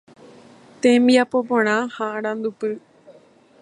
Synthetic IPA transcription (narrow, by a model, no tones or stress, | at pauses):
t̪ẽmbiapop̬õɽ̃ãhãaɾ̃ãnd̪upɨ